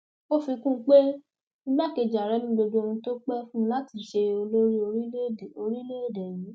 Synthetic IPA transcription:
o˦fi˧kũ˦˧˦k͡pe˦ | nĩ˦ɡ͡ba˦ke˧˨d͡ʒa˨ɾɛ˨˦mĩ˦ɡ͡bo˧d͡ʒo˧o˧nũ˧to˦k͡pɛ˦fũ˦˧la˨˦ti˨ʃe˧o˧lo˦ɾi˦o˧ɾi˦le˦˨o˧ɾi˦le˦e˦˨dɛ˨ji˨˦

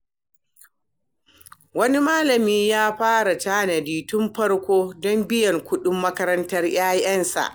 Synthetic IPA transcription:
wɐ˦ni˦maː˦lɐ˨miː˦jaː˦ɸaː˦ɽa˨taː˦na˨diː˨tʊ˦mɸɐ˦ɽkʷoː˦dɔ˦mbɪ˦jɐ˨ŋkʷʊ˦ɗʊ˦mːɐ˦kɐ˦ɾɐ˦ntɐ˦rj̰aː˦jɐ˦nsa̰˨ʔ

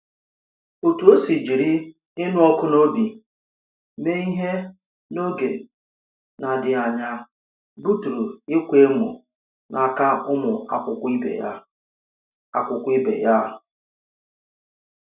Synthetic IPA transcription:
o˨tu˨˦o˦si˨d͡ʒi˨ɾi˦ | ɪ˦nʊ˦ɔ˦kʊ˦no˦bi˨ | me˦i˦ɦe˦ | no˦ɡe˨ | na˨dɪ˨a˨ɲa˨ | bu˦tu˨ɾu˨ɪ˦kʷe˦mʊ̰˨ | nʔa˨ka˦ʊ˦mʊ˨a˨kʷʊ˨kʷɪ˦bḛ˨a˦ | a˨kʷʊ˨kʷʊ˦ɪ˦bḛ˨ja˦˨

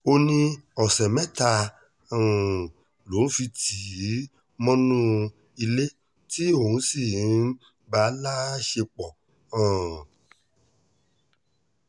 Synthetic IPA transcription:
o˧nĩ˧ɔ˨sɛ˨mɛ̃˦ta˧˨ | ũ˨ | lo˨˦fi˧tʰi˨˦ | mɔ̃˦nũ˦ | i˧le˦ | ti˦o˦˨hũ˧˦si˦˨˦ | ba˨˦la˦ʃe˧k͡pɔ˨ | ã˨

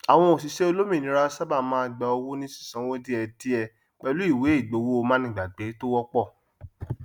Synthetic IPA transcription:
a˨w̃ɔ̃˧o˨s̬i˨ʃe˦o˧lo˦mĩ˦˨nĩ˨˦ɾa˦sa˦ba˦˨mãː˦a˧ɡ͡ba˧o˧wo˦nĩ˦sĩ̥˦˨sã˨˦wo˦di˦ɛ˧di˦ɛ˧ | k͡pɛ˧lu˨˦i˦˨we˨˦i˦˨ɡ͡bo˨˦wo˦o˧mãː˦nĩ˧˨ɡ͡ba˨ɡ͡be˨˦to˦wɔ˦k͡pɔ˦˨

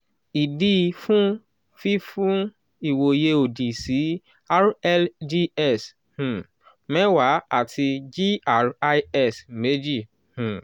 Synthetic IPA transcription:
i˨di˦˧fũ˦ | fi˦fũ˦ | i˨wo˨je˧o˨di˨si˨˦ | a˦ɾɛ˦ld͡ʒi˦ɛ˦˨s | h̩˨ | mɛ̃˦wa˨˦a˦˨tʰi˧d͡ʒi˦a˦˨ɾa˧ɛ˦˨sme˨˦d͡ʒi˦˨ | h̩˨

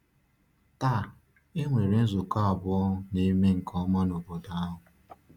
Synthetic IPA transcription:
ta˦˨ | e˦ŋʷe˨ɾe˦n̩˦zʊ˨ka˦ɔ˨bʊ˦ɔ˦ne˦me˦ŋ̩˨kʰɔ˦ma˦no˨bo˨da˨a˦ɦʊ˨

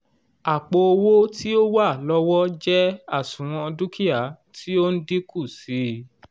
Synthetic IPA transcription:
a˨k͡po˧o˧wo˦ti˦o˦wa˦˨lɔ˦wɔ˦d͡ʒɛ˦a˦˨sũ˨ɾ̃ɔ̃˧du˦ki˦a˨ | tʰi˦o˦n̩˦di˦ku˦˨si˨˦

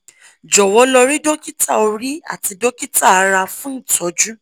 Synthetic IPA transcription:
d͡ʒɔ˨wɔ˨˧˦lɔ˧ɾi˦do˦ki˦ta˦˨o˧ɾi˦a̰˦˨ti˧do˦ki˦ta˦˨a˨˧˦ɾa˧fũ˦˨tʰɔ˨˦d͡ʒu˦

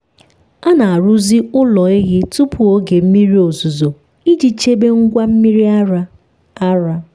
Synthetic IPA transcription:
a˦na˨a˨ɾu˦zi˦ʊ˦lɔ˨e˦ɣɪ˦tu˦pʰʊ˨o˦ɡe˨m̩˦mi˦ɾi˦o˨zu˨zo˨ | i˦d͡ʒi˨t͡ʃe˦be˦ŋ̩˦ɡʷa˦m̩˦mi˦ɾi˦a˦ɾa˦ | a˦ɾa˦

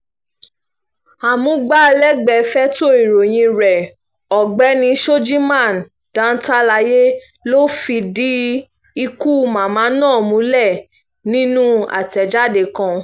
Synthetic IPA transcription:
a˨mũ˨˦ɡ͡ba˦˧lɛ˦ɡ͡bɛ˧fɛ˦to˦i˨ɾo˨j̃ĩ˧ɾɛ˨ | ɔ˨ɡ͡bɛ˨˦nĩ˧ʃo˦d͡ʒi˦mã˦˨n˨ | d̥ã˨˦n̩˦ta˦la˧je˦ | lo˦fi˧di˦ | i˧ku˦˧mã˨mãː˨˦nãː˦˨mũ˨˦lɛ˦˨ | nĩ˦nũ˦a̰˨tɛ˨d͡ʒa˦de˧˨kã˧

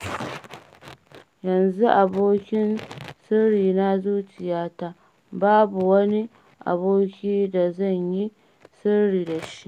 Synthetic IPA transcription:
jɐ˨nzu˦ʔa˨boː˦kʲɪ˦nsɪ˦ɽiː˨na˦zuː˦t͡ʃɪ˨jaː˦ta˦ | baː˦bu˨wɐ˦ni˦ | ʔa̰˨boː˦kʲiː˦da˨zɐ˦˨ɲji˦ | sɪ˦ɽiː˨da˨ʃi˦ʔ

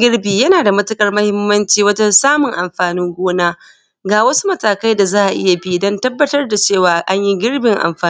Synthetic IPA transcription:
ɡʲɪ˦rbiː˨jɐ˦naː˨da˨mɐ˦tɪ˦kʼɐ˨rmɐ˦hɪ˦mːɐ˦nt͡ʃiː˨wɐ˦d͡ʒɐ˦nsaː˦mʊ˨ŋʔa˨mɸaː˨nɪ˦ŋɡʷoː˦naː˦ | ɡaː˨wɐ˦su̥˦mɐ˦taː˨ka˦jda˨zaː˦ʔa˨ʔɪ̰˦ja˨bi˦dɔ˦ntɐ˦bːɐ˦tɐ˦rda˨t͡ʃeː˦˨waː˨ʔa˦ɲji˦ɡʲɪ˦rbɪ˨ŋʔa̰˨mɸaː˨˦

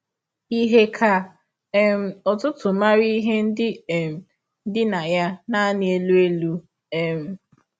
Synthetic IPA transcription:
i˦ɦe˦kʰa˨˦ | m̩˨ɔ˨tʊ˦tʊ˨ma˦ɾi˦ɦe˦n̩˦dɪ˦˨m̩˨ | n̩˦dɪ˦na˨ja˦na˦nɪ˨e˦lu˦e˦lu˦ | ɛ˨m̩˨

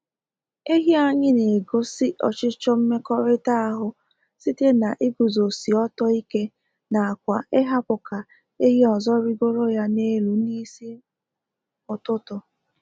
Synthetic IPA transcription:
e˦ɦi˦a˦ɲɪ˦ne˨ɡo˦sɪ˦ʔɔ˨t͡ʃɪ˦t͡ʃɔ˦m̩˦me˦kɔ˦ɾɪ˦ta˦a˦ɦʊ˦ | si˦te˦na˨ʔɪ˦ɡu˨zo˨si˨ɔ˦tɔ˦i˦ke˦ | na˨a˨kʷa˨ʔɪ˦ɦa˦pʊ˨ka˨ | e˦ɦe˦ɔ˨zɔ˦ɾi˦ɡo˦ɾo˦ja˦ne˦lu˨ni˦si˦ | ʊ˨tʊ˦tʊ˨

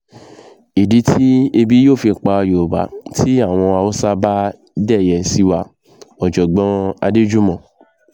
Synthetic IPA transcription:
i˨di˨˦tʰi˦e˧bi˦joː˦˨fi˧˨k͡pa˧o˧jo˨ba̰˨˦tʰi˦a˦˨w̃ɔ̃˧a˧o˦sa˦ba˦ | dɛ˦˨jɛ˨si˧wa˧ | ɔ˨d͡ʒɔ˨ɡ͡bɔ̃˨˦a̰˧de˦d͡ʒu˦mɔ̃˨

